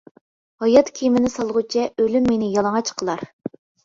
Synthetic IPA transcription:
hɑjɑt̪kʲʰimɪnɪsɑlˠʁut͡ʃʰɛølymːenɪjɑlˠɑŋɑt͡ʃqʰəlˠɑɾ

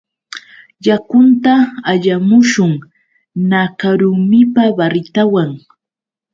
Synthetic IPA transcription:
jakʊnt̪aːʎamʊʃʊŋ | nakaɾʊmɪpabaɾɪt̪awaŋ

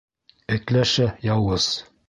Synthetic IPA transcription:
ɘ̆k̪læʃæjɑwɤz

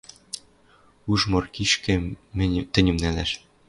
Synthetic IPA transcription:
uʒmɤ̆rkiʃkɘ̆mɘ̆t̪ɘ̆nʲɘ̆mnælæʃ

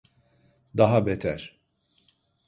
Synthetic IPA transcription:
d̪aɦabɛt̪ʰæ̰ɾ̥

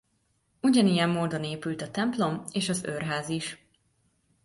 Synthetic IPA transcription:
uɟɒnijɛmːoːd̪o̞neːpylt̪ɒt̪ɛmplo̞meːʃɒzørɦaːziʃ

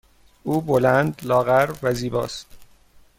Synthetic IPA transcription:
uːbolænd̪lɒːɣæɾvæziːbɒ̰ːst̪

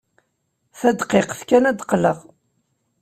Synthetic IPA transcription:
θæd̪qeqθkænæd̪qləʁ

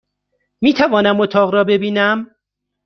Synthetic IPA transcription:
miːt̪ʰævɒːnæmot̪ʰɒːʁɾɒːbe̞biːnæm

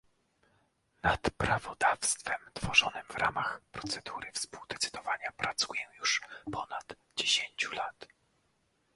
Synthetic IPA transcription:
nat̪pɾavɔd̪afst̪fɛmt̪fɔʐɔnɘmvɾʔamaxpɾɔt̪sɛd̪uɾɘfspuwd̪ɛt̪sɘ̥d̪ɔvaɲapɾʔat̪sujɛjuʂpɔnad̪ | d͡ʑeɕeɲt͡ɕulat̪

